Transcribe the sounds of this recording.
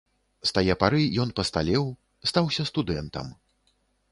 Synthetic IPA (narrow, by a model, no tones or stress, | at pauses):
st̪ajɛpaɾɨjɔnpɐst̪alʲɛw | st̪awsʲɐst̪ud̪ɛnt̪ɐ̰m